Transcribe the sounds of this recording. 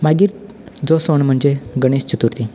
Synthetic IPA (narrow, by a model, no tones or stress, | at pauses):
maɡiːɾ | d͡zɔsoɳm̤əɳd͡ʑeɡəɽ̃est͡ɕut̪uɾt̪i